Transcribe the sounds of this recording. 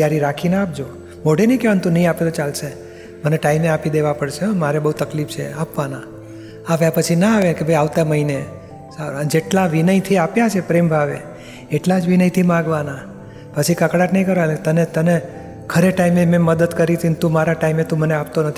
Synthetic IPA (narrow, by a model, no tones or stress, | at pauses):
t̪jaɾiɾakʰinaap̚d͡ʒo | moɽenə̃ɦĩkeʋant̪ũnəɦĩapelot͡ʃalse | məneʈaimeapid̪eʋapəɽʃemaɾebəɦut̪əklipt͡ʃʰḛapʋana | aʋjapət͡ʃʰinaaʋekebʱəjaʋt̪aməɦine | saɾd͡ʒeʈlãʋinəit̪ʰiapjat͡ʃʰepɾembʱaʋḛ | eʈlad͡ʒʋinəit̪ʰimãɡʋana | pət͡ʃʰikəkɽatnəɦĩkəɾoelet̪ənet̪əne | kʰəɾeʈaimemẽməd̪əd̪kəɾit̪ʰint̪ũmaɾaʈaimet̪ũməneap̚t̪onət̪ʰi